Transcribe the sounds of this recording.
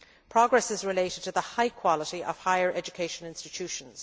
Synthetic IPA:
pʰɹ̥ɑɡɹɛsɪzɹɪleɪɾɨd̚tʰɨðəhaɪkʰw̥ɑləɾiʔə̰v̥haɪə˞ʔɛd͡ʒɨkʰeɪʃə̃nɪ̃nstɨtʰʉʃə̃nz̥

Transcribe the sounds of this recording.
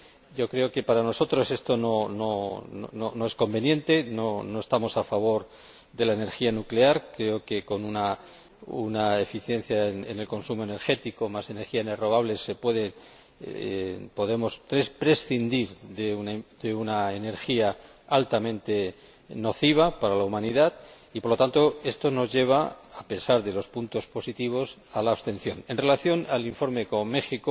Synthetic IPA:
ɟ͡ʝo̞kɾe̞oke̞paɾano̞so̞t̪ɾo̞se̞st̪o̞no̞noo̰nono̞e̞sko̞mbe̞njẽ̞nt̪e̞no̞no̞e̞st̪amo̞safaβ̞o̞ɾ | ðe̞laene̞ɾxianukleaɾkɾe̞o̞ke̞ko̞nuna | ṵnae̞fiθjẽ̞n̟θjaenḛne̞lko̞nsumo̞ene̞ɾxe̞t̪iko̞mase̞ne̞ɾxianero̞ɣ̞aβle̞se̞pwe̞ðe̞ | po̞ðe̞mo̞sɾespɾe̞sθind̪iɾðed̪eunaene̞ɾxia | alt̪amẽnt̪e̞ | no̞θiβ̞apaɾalaumãniðað | ipo̞ɾlo̞t̪ant̪o̞e̞st̪o̞no̞zʝe̞β̞aːpe̞saɾðe̞lo̞spunt̪o̞spo̞sit̪iβ̞o̞salaːβst̪e̞nθjo̞ne̞nre̞laθjo̞naliɱfo̞ɾme̞ko̞mme̞xiko

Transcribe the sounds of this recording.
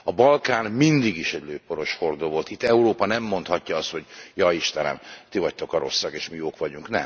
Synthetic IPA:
ɒbɒlkaːnmind̪iɡiʃɛɟløːpːo̞ɾo̞ʃho̞rd̪oːvo̞lt̪it̪ːɛuɾoːpɒnɛmːo̞nt̪hɒcːɒɒst̪ho̞ɟjɒiʃt̪ɛnɛ̰mt̪ivɒct̪o̞kɒɾo̞sːɒɡeːʃmijoːkʋɒɟuŋknɛ̰m

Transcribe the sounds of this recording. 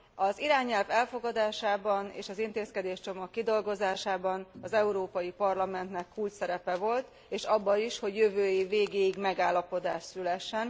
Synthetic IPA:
ɒziɾaːɲɛlvɛlfo̞ɡɒd̪aːʃaːbɒnḛːʃɒzint̪eːskɛd̪eːʃt͡ʃo̞mɒkːid̪o̞lɡo̞zaːʃaːbɒnɒzɛuɾoːpɒjipɒrlɒmɛnt̪nɛkːuːlt̪sɛɾɛpɛvo̞lt̪ | eːʃɒbːɒiʃho̞ɟjøvøːjiveːɡeːiɡmɛɡaːlːɒpo̞d̪aːʃsylɛʃːɛn

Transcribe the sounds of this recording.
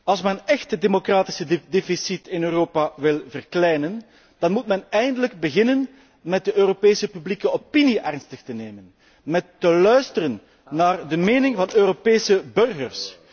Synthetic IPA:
ɑlˠs̬mɛnnɛxtədemokraːtɪ̥səddefisitɪnøːroːpaʋɪlˠvərklɛjnən | d̥ɑnmutmɛnɛjəndələɡ̚bəɣɪnən | mɛt̚dəʔøːɾopeːsəpyblikəopiniʔɛrnstəxtəneːmən | mɛtːəlœɥstərənː | aːrdəmeːnɪŋvɑnøːɾopeːsəbɵrɣərs

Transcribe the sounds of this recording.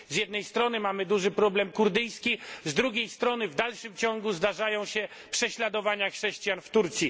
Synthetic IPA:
zʲjɛd̪nɛjst̪ɾɔnɘmamɘd̪uʐɘpɾɔblɛmkuɾd̪ɘjskʲizd̪ɾuɡʲejst̪ɾɔnɘvd̪alʂɘmt͡ɕɔ̃ŋɡuzd̪aʐajɔ̃w̃ɕɛ | pʂɛɕlad̪ɔvaɲaxʂɛɕt͡ɕjanft̪uɾt̪sʲji

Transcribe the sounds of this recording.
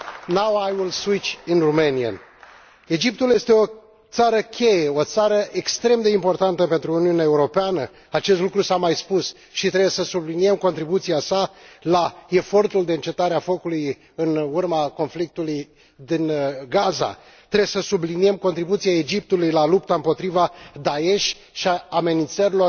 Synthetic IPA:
nawajwilswit͡ʃinrumeniə̰n | e̞d͡ʒip̚t̪ulje̞st̪e̞o̞ | t̪saɾəkʲʰe̞je̞o̞t̪saɾəʔekst̪ɾe̞md̪e̞impo̞rt̪ant̪əpe̞nt̪ɾuːniuneaeuɾo̞peanə | at͡ʃest̪lukɾusamajspus | ʃit̪ɾe̞bjesəsublinie̞mko̞nt̪ɾibut̪sijasalae̞fo̞rt̪uld̪e̞ɨnt͡ʃe̞t̪aɾeafo̞kuluj | ɨnurmako̞nflik̚t̪uluj | d̪inɡaza̰ | t̪ɾebesəsublinie̞mko̞nt̪ɾibut̪siae̞d͡ʒip̚t̪ulujlalupt̪aɨmpo̞t̪ɾivad̪ae̞ʃʲ | ʃiaːme̞nint̪səɾilo̞

